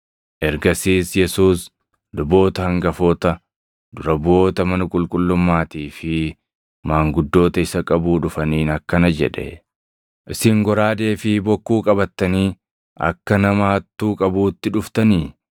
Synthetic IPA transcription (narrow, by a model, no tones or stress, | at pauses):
ʔɛɾɡɐsiːsjɛsuːs | d̪ʊbo̞ːt̪ɐhɐŋɡɐfoːt̪ɐ | d̪̥ʊɾɐbo̞ːt̪ɐmɐnɐkʼʊlkʼʊlːʊmːaːt̪iːfɪ | maːŋɡʊd̪ːo̞ːt̪ɐɪsɐkʼɐbuːᶑʊfɐniːnɐkːɐnɐd͡ʒɛ̰ᶑɛ̰ | ʔɪsɪŋɡɔɾaːd̪e̞ːfɪbɔkːuːkʼɐbɐt̪ːɐniː | ʔɐ̰kːɐnɐmɐhɐt̪ːuːkʼɐbuːt̪ːɪᶑʊft̪ɐniː